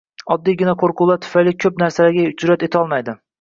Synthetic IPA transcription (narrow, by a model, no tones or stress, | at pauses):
ɒd̪ːijɡʲɪnaqʰoɾqʰʊlˠaɾt̪ʰʊ̥fajlɪkʲʰɵpnaɾsalaɾɡʲaʊt͡ʃ̪ʰʊɾat̪et̪ʰɒlˠmajd̪ɪ